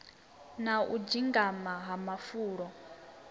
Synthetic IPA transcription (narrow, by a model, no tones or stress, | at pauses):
naʔud͡ʒiŋɡamaɦamafuːɺɔ